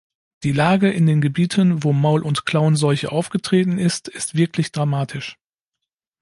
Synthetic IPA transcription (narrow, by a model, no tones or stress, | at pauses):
d̥iːlaːɡəʔɪndeːnɡəbiːtʰənvoːmaʊlʔʊntkl̥aʊnzɔʏçə̰ʔaʊfɡ̥ətʁ̥eːtn̩ɪstɪstv̥ɪɐklɪçd̥ʁamaːtʰɪʃ